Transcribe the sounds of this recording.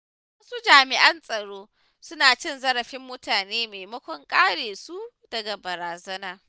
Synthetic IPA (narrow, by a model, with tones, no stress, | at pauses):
wɐ˦su˦d͡ʒaː˨mɪ˨ʔɐ˦nsʼɐ˨ɽoː˦ | sʊ˦naː˨t͡ʃɪ˦˨nzɐ˦ɾɐ˨ɸɪ˦mːʊ˦taː˨neː˦meː˨jmɐ˦kʷɔ˦ŋkʼaː˦ɽeː˨su˦ | d̥ɐ˨ɡa˨bɐ˨ɾaː˨zɐ˦naː˦